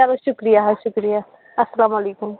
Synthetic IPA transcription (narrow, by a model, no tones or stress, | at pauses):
aːloʃʊkɾijaɦʃʊkɾija | ɐsːɐlaːmɐleːkum